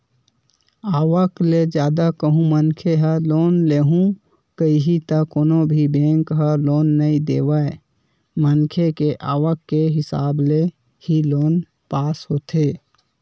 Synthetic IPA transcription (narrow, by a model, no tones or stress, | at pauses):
aːwəkled͡ʒjaːd̪akəɦũmənkʰeɦəloːnleːɦũ | kəiɦit̪əkoːnobʱibẽːŋkɦəloːnːəid̪ḛːwae | mənkʰekeʔaːwəkːeɦɪsa̰ːble | hiloːn | paːsɦoːt̪ʰeː